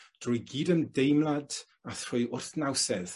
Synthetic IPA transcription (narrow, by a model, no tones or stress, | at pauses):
d̥rʊjɡiːdəmdejmlˠad | aθr̥ʊɨʊrθnawsɛð